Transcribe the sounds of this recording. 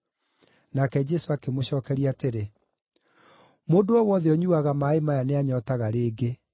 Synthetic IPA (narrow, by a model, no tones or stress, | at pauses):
nakɛd͡ʒɛsoakemoɕɔːkɛɾiateɾe | moːndoɔwɔðeɔɲuaɣamaːemajaneaɲɔːtaɣaɾeːɡe